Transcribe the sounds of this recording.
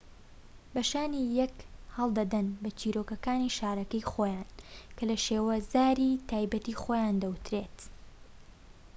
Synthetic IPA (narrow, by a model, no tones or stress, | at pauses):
bɐʃaːnijɐkhɐlˠd̪ɐd̪ɐnbɐt͡ʃiːɾoːkɐkaːniʃaːɾɐkɐjxoːjaːnkʰɐlɐʃeːwɐzaːɾit̪ʰaːjbɐt̪ixoːjand̪ɐwt̪ɾeːt̪